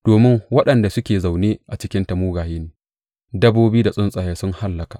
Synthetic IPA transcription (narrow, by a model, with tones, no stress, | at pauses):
d̥oː˨mɪ˦ŋwɐ˦ɗɐ˨nda˨sʊ˦kʲeː˨za˨wneː˦ʔa˨t͡ʃɪ˦kʲɪ˦ntɐ˨muː˦ɡaː˨jeː˦neː˨ | dɐ˦boː˦biː˦da˨sʼʊ˦nsʼa˨jaː˦sʊ˦ŋha˦lːɐ˨ka˨ʔ